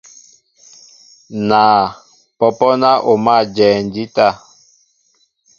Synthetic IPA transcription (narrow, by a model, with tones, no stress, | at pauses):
naː˨ | pɔ˨pɔ˦na˦ʔo˨ma˦˨d͡ʒɛː˨nd͡ʒi˦ta˦˨